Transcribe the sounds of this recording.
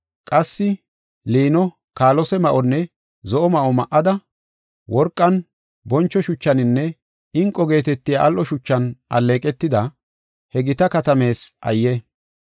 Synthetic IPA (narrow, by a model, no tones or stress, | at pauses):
kʼɐsːɪ | liːnɔ | kaːlɔsɛmɐʔɔnːɛ | zɔʔɔmɐʔɔmɐʔːɐd̪ɐ | wɔɾkʼːɐn | bɔnt͡ʃːɔʃʊt͡ʃːɐnɪnːɛ | ɪŋkʼːɔɡe̞ːt̪ɛt̪ːɪjaʔɐlʔɔʃʊt͡ʃːɐnɐ̰lːe̞ːkʼɛt̪ːɪd̪ɐ | hɛɡɪt̪ɐkɐt̪ɐme̞ːsʔɐ̰jːɛ